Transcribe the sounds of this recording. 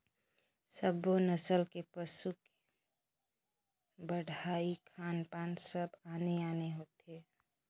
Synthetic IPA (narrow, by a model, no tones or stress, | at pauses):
səbonəsəlkepəsuke̥ | bəɽʱaːikʰaːnpaːnsəbaːneaːneɦoːt̪ɦeː